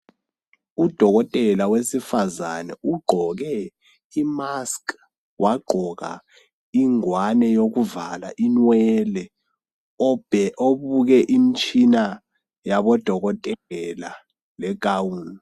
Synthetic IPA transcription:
ud̥ʱɔɣ̬ɔtʼɛlawesifazanɛuɡ͡ǃʱɔɣ̬ɛ | imaskʰʼ | wʔaɡ͡ǃʱɔka̰ | iŋwanɛjok̬uvala̰ʔinwɛlɛ | oβuk̬ɛʔimit͡ʃʼʰina | jaɓɔd̥ʱɔɣɔtʼɛɛla | lɛɡ̥ʱawun

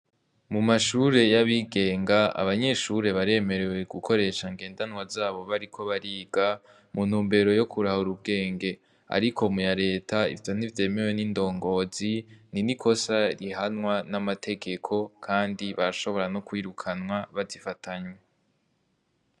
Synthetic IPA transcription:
mumaʃuɾe̞jaβiɡe̞ːŋɡaa̰βaɲe̞ʃuɾe̞βaɾe̞me̞ɾe̞we̞ɡukʰo̞ɾe̞ːʃaŋɡe̞ːndanwazaːβo̞βaɾikʰo̞βaɾiːɡa | mun̥huːmbe̞ɾo̞jo̞kʰuɾahuɾubɡe̞ːŋɡe̞ | a̰ɾikʰo̞mujaɾe̞ːtʰaḭvjo̞n̥ivje̞ːme̞we̞nindo̞ːŋɡo̞zininikʰo̞saɾiɦanwanamatʰe̞ɡe̞kʰo̞kʰaːndiβaɾaʃo̞βo̞ɾano̞kwiːɾukʰanwaβazifatʰaɲwe

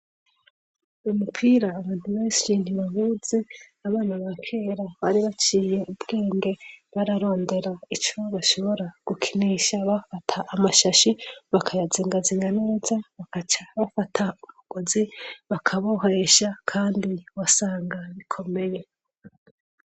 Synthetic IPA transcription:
umupʰiːɾaːβaːntuβe̞ːnʃiniβahuz̥eaβaːnaβakʰe̞ːɾaβaɾiβat͡ʃiːje̞ubɡe̞ːŋɡe̞βaɾaɾo̞ːnde̞ɾait͡ʃoβaʃo̞βo̞ɾaɡ̥ukʰi̥niʃaβafatʰaʔːmaʃaʃiβakʰajaziŋɡaziɲanezaβakat͡ʃaβafatʰauβuɡ̥oziβakʰaβoɦaeʃakʰaːndiwasaːŋɡaβikʰo̞me̞je̞

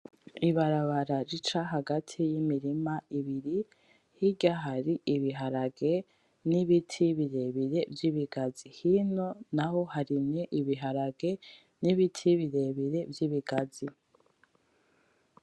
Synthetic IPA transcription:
iβaɾaβaɾaɾit͡ʃaɦaɡatʰijimiɾimaiβiɾi | hiɟaɦaɾiiβiɦaɾaɡe̞ | niβitʰiβiɾe̞βiɾe̞vjiβiɡazihino̞naɦo̞haɾimɲeʔiβiɦaɾaɡe̞ | niβitʰiβiɾe̞βiɾe̞vjiβiɡazi

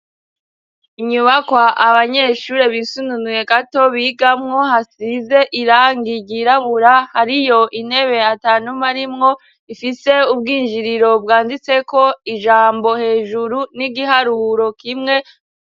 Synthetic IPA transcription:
iɲuβakwaʔaβaɲe̞ʃuɾe̞βisununuje̞ɡato̞βiɡamŋo̞hasize̞ʔiɾaːŋɡiɟiɾaβuɾahaɾijo̞ʔin̥he̞βe̞ataːnumaɾimŋo̞ | ifise̞ub̚ɡiːnʒiɾiɾo̞bɡaːndit͡se̞ko̞iʒaːmbo̞he̞ːʒuɾuniɡiɦaɾuːɾo̞kimŋe̞

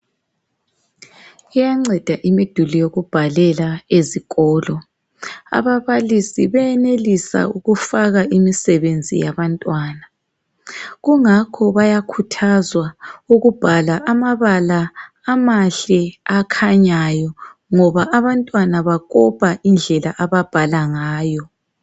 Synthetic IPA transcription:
ijaŋ͡ǀɛd̥ʱaʔimid̥ʱulijoɣub̥ʱalɛlaeziɣɔːlɔ | a̰βaβalisiβɛjɛnelisa̰uɣufaɣaʔimisɛβend͡zʱḭjaβantʼwaːna | ɣuŋakʰɔβajakʰutʰazwauɣub̥ʱalaʔamaβalaː | maɬɛakʰaɲajɔŋɔβaʔaβantʼwanaβaɣʼɔpʰʼaʔind͡ɮʱɛla̰ʔaβab̥ʱalaŋaːjɔ

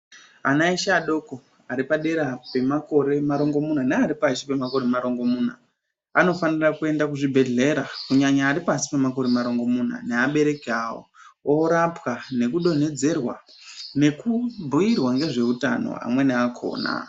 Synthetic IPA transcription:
anaiʃaɗo̞ko | aɾipaɗe̞ɾape̞mako̞ɾe̞maɾo̞ŋɡo̞mun̤aneaɾipasipe̞mako̞ɾemaɾo̞ŋɡo̞muːn̤a̰ | ano̞fanirakue̞ndakuʐibʱe̞ɮe̞ɾakuɲaɲaːɾipasi̥pemako̞ɾemaɾo̞ŋɡo̞mun̤a̰neaɓe̞ɾe̞kawo̰ | oɾapwane̞kuɗo̞ne̞d͡ze̞rwa | ne̞kubʱuirwaŋɡe̞ʐe̞uta̰no̰a̰mwe̞neakʰo̰ːna̰

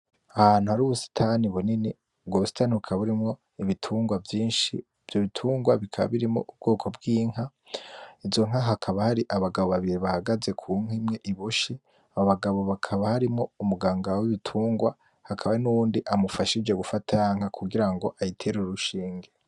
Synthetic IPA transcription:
ahaːn̥uhaɾuːβusi̥tʰaniβunini | bɡwoβusi̥taːniuβukʰaβuɾimŋo̞ | iβitʰuːŋɡwavjiːnʃḭ | v̥joβitʰuːŋɡwaβikʰaβa̰βiɾimo̰ʔub̚ɡo̞ːkʰo̞bɡiːŋ̥ha | izo̞ŋ̥haɦakʰaβahaɾiʔaβaɡaβo̞βaβiɾiβahaɡaze̞kʰuːŋ̥imŋe̞ʔiβuʃi | aoβaɡaβo̞βakʰaβahaɾimŋo̞umuɡaːŋɡawiβitʰuːŋɡwa | hakʰaβainuwuːndiʔamufaʃid͡ʒe̞ɡufatʰajaːŋ̥hakʰuɡiɾaŋɡo̞ʔajitʰe̞ɾeɾuɾuʃiːŋɡe

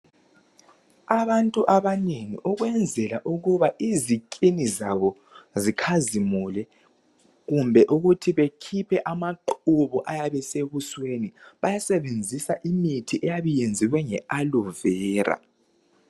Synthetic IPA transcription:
aβantʼuʔaβaneŋḭʔuɣwɛnd͡zʱɛlaʔuɣuβaʔizikʼinizaβɔ | zikʰazimulɛ | ɣumbʱɛʔuɣutʰiβekʰipʰɛʔamaǃuβuʔajaβɛseɣusweniβajasɛβend͡zʱisaʔimitʰiʔɛjaβujend͡zʱiwɛŋɛaluvɛːra̰

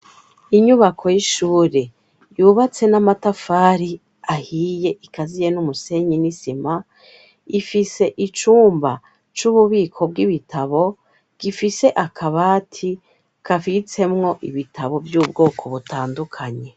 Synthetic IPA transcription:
iɲuβakʰo̞jiʃuːɾe̞ | juβat͡se̞namatafaːɾi | ahiːje̞ʔikazije̞numuse̞ɲinisima | ifise̞ʔit͡ʃuːmba | t͡ʃuβuβiːkʰo̞b̚ɡiβitʰaβo̞ | ɡ̥ifise̞ʔakʰaβaːtʰi | kafit͡se̞mŋo̞ʔiβitaβo̞vjuːb̚ɡo̞ːkʰo̞βutaːndukʰaɲe̞

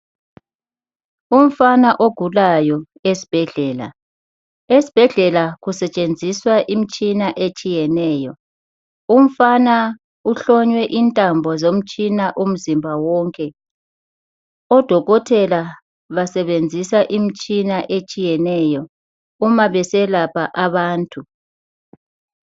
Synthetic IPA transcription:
um̩fanaʔoɡ̥ʱulajɔ | esi̥b̥ʱɛɮɛːla̰ | esi̥b̥ʱɛɮɛlaɣusɛt͡ʃʼend͡zʱiswaʔim̩t͡ʃʼinaʔet͡ʃʼijɛnɛːjɔ | um̩fana | uɬɔɲwɛʔintʼambʱɔzom̩t͡ʃʼinaʔum̩zimbʱawɔŋkʼɛ | ɔd̥ʱɔɣɔtʰɛla | βasɛβend͡zʱisaʔim̩t͡ʃʼinaʔet͡ʃʼijɛnɛjɔ | umaβɛsɛlapʰaʔaβaːntʼu

